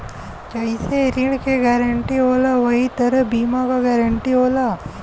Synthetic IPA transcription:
t͡ʃɐiseɾiɳkeɡɛɾɐɳʈiɦoːlaʋɐɦit̪ɐɾɐbiːmaɡaɡaɾɐɳʈiɦoːla

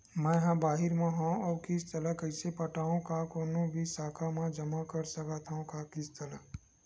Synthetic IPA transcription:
mɛ̃ɦãbaːɦɪɾmãɦãɔːɾkɪst̪ɐlakəɪsepɐʈaːõkakoːnõbʱisaːkʰamãd͡ʒɐmakɐɾsɐkat̪ʰaõkakɪst̪ɐla

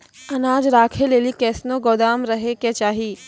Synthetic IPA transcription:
ɐnaːd͡ʒɾaːkʰeleːlikɛːsnoɡoːd̪aːmɾɐɦeket͡ʃaːɦiː

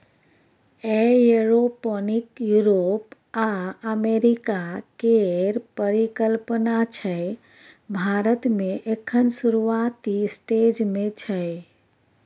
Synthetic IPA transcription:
ejeɾopənikjuɾop | aəmeɾikakeɾpəɾikəlpənat͡ʃʰəj | bʱaɾət̪meʔekʰːənsuɾuat̪isʈed͡ʒmet͡ʃʰəj

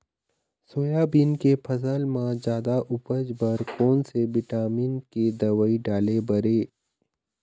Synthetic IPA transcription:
soːjabiːnkepʰɐzəlmãd͡ʒjaːd̪aʔʊpəd͡ʒbəɾkɔːnsebɪʈaːmiːnked̪ɐʋəiɖaːlebəɾeː

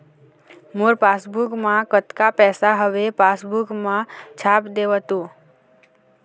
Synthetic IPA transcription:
moɾpasbukmãkət̪kapɛsaɦəʋepasbukmãt͡ʃʰapd̪eʋɦət̪ũ

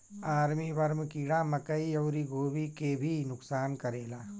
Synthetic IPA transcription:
aːɾmiʋɐɾmkiːɽamɐkəiɐːɾiɡʱoːʋikebʱinʊksaːnkɐɾeːlaː

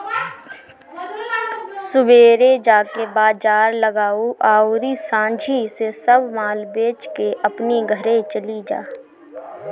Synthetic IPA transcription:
sʊbeːɾed͡ʒaːkebaːd͡ʒaːɾləɡaːuʔaːuɾisãːd͡ʒʱisesəbmaːlbeːt͡ʃkeʔəpniɡʱəɾẽt͡ʃəlid͡ʒa̰ː

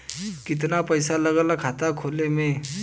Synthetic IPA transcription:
kɪt̪napəjsaləɡəlakʰat̪akʰoːlemẽ

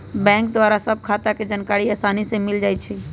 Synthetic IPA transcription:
bɛ̃ŋk̚d̪waɾasəb̚ʱkʰat̪aked͡ʒankaɾiasanisẽmild͡ʒaːjt͡ʃʰɛ

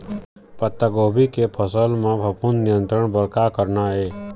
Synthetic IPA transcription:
pət̪ːəɡobʱikepʰəsəlmãbʱəpunnijənt̪ɾəɳbəɾkakəɾɳae

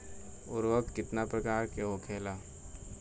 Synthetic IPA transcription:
ʊɾʋəkkːɪt̪napɾɐkaːɾkeokʰeːlaː

